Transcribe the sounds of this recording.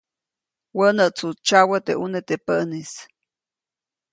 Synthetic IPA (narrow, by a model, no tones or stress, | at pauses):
wənəʔt͡sut͡ʃawət̪eʔunet̪epəʔnis